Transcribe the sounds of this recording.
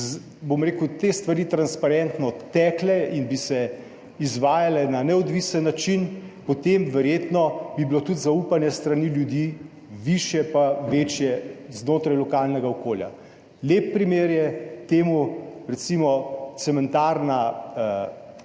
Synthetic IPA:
bomɾeːkut̪est̪ʋaɾiːt̪ɾanspaɾɛnt̪nɔt̪ːɛːklɛinbisɛ | izʋaːjalɛnanɛɔd̪ʋisənːat͡ʃinpɔt̪emʋɛɾjeːt̪nɔbibilot̪ut̪zaupanjɛst̪ɾaniljud̪jiː | ʋiʃjɛpaʋet͡ʃjɛznoːt̪ɾajlɔkalnɛɡaɔkoːlja̰ | leːp̚ːɾimeːɾjɛt̪eːmuɾɛt̪simɔt̪sɛmɛnt̪aɾnaə

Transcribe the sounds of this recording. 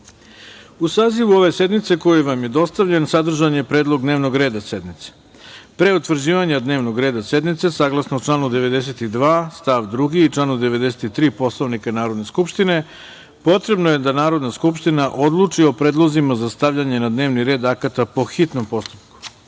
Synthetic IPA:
usaːziʋuo̞ʋe̞se̞d̪mit̪se̞kojuʋamje̞d̪o̞st̪aʋʎensad̪r̩ʒanje̞pɾeːd̪lˠo̞ɡd̪neʋno̞ɡɾeːd̪ase̞d̪nit̪se̥ | pɾe̞ut̪ʋr̩d͡ʑiːʋaɲad̪ne̞ːʋno̞ɡɾe̞ːd̪ase̞d̪nit̪se̞saːɡlˠasnouʈ͡ʂlˠaːnud̪e̞ʋe̞d̪es̬e̞t̪id̪ʋaːst̪aʋd̪ɾuɡiit͡ʂlˠaːnud̪e̞ʋed̪eset̪it̪ɾiːpo̞slˠoʋnikanaːɾo̞d̪ne̞skupʃt̪ine̞ | po̞t̪ɾe̞bnoje̞d̪anaːɾo̞d̪naskupʃt̪inaʔo̞d̪lˠuːt͡ʂio̞pɾe̞ːd̪lˠo̞zimazast̪aʋʎaɲe̞nad̪ne̞ːʋniɾe̞ːd̪akat̪apo̞xit̪nompo̞st̪u̥pku̥

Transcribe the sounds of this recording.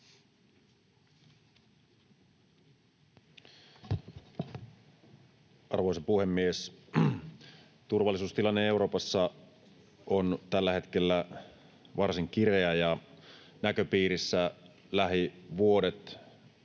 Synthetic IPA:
ʔɑ̰rʋoesɑpuhe̞mːies | t̪urʋɑlːisuːst̪ilɑnːee̞uɾo̞ːpɑsːɑ | ont̪ælːæhe̞t̪kelːæ | ʋɑrsiŋk̟ireæjɑ | nækøpiːɾisːæ | læɦiʋuo̞det̪

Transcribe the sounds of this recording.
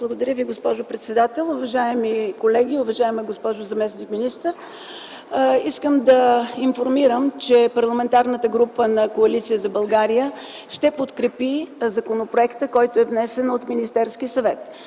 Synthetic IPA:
blˠɐɡod̪ɐɾjəviɡospɔʒopɾɛt̪sɛd̪at̪ɛlˠʊvɐʒaɛmikolɛɡ̟iʊvɐʒaɛmɛɡospɔʒozɐmɛsnikminist̪əɾ | iskəmd̪ɐinfoɾmiɾəmt͡ʃɛpɐɾlˠɐmɛnt̪aɾnət̪əɡɾupənɐkoɐlit̪sijəzɐbɐlˠɡaɾijə | ʃt̪ɛpot̪kɾɛpizɐkonopɾoɛkt̪əkɔjt̪oɛvnɛsɛnot̪minist̪ɛɾskisɐvɛt̪

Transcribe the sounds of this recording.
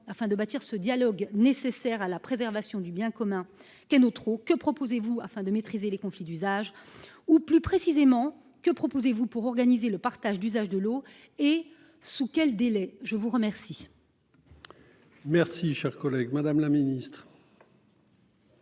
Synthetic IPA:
afɛ̃d̪əbat̪iʁsəd̪jalɔɡnesesɛʁalapχezɛʁvasjɔ̃d̪ybjɛ̃kɔmɛ̃ | kɛnot̪χokəpχɔpozevuafɛ̃d̪əmet̪χizelekɔ̃flid̪yzaʒ | uplypχesizemɑ̃ | kəpχɔpozevupuʁɔʁɡanizeləpaʁt̪aʒd̪yzaʒd̪əlo | e | sukʲɛld̪elɛʒəvuʁəmɛʁsi | mɛʁsiʃɛʁkɔlɛɡmad̪amlaminist̪χ

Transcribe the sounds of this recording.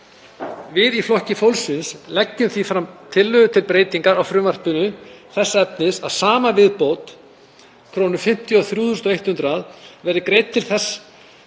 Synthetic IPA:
vɪðiflɔhcɪfowlsɪnslɛcːʏmθifɾamt̪ʰɪlːʏʏt̪ʰɪlpɾeːjt̪iŋkaɾawfɾʏːmar̥pʏnʏθɛsːaɛp̚nɪsaðsaːmavɪðpoːwt̪ | kʰɾoːnʏfɪm̥t̪jʏɔθɾjuːθʏst̪ɔejht̪hʏnt̪ɾaðvɛɾðɪkɾejt̪t̪ʰːɪlθɛsː

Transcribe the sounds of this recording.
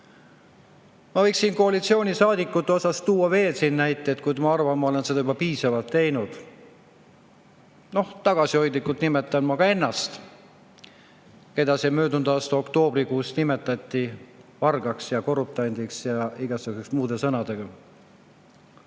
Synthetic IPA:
mɑvɤ̞jksːiːnko̞ɑlit̪sio̞ːnʲisɑːd̪ikːˑut̪ːˑeo̞sɑst̪uːɑve̞ːlsinːæjt̪ˑːeːt̪̚kujd̪mɑɑrvɑnmːɑo̞le̞nse̞d̪ɑybɑpiːsɑvɑlt̪ːe̞jnud̪̥ | no̞ht̪ɑɡ̥ɑsio̞jd̪ikːult̪nime̞t̪ːˑɑnmɑɡ̥ɑe̞nːɑst̪ | ke̞d̪̥ɑsemø̞ːd̪und̪̥ɑːst̪uo̞kt̪o̞ːbrikuːsnime̞t̪ːˑɑt̪ʲˑːivɑrɡ̥ɑksjɑko̞rup̚t̪ˑɑjnd̪̥iksjɑiɡ̥ɑsukuseksmuːd̪̥e̞sɤnɑd̪̥e̞ɡ̥ɑ

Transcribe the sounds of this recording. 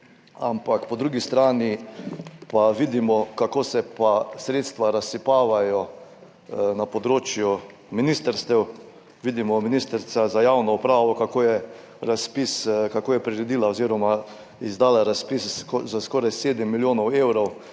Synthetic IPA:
a̰mpakpɔd̪ɾuɡist̪ɾaːni | paʋid̪imɔkakoːsɛpasɾeːt̪st̪ʋaɾasːipaːʋajɔ | napɔd̪ɾoːt͡ʃju | minist̪əɾst̪ɛw | ʋiːd̪imɔminist̪əɾt̪sazajawnɔupɾaːʋɔkakojɛ | ɾaspiskakoːjɛpɾiɾɛd̪iːlaɔziːɾɔma | izd̪aːlaɾaspiszaskɔːɾajseːd̪ɛmːiljoːnɔweːwɾɔw

